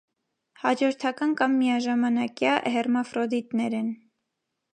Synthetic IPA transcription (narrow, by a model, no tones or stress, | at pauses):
hɑd͡ʒɔɾt̪ʰɑkɑnkɑmːijɑʒɑmɑnɑkjɑʔhɛrmɑfɾɔd̪it̪nɛɾɛn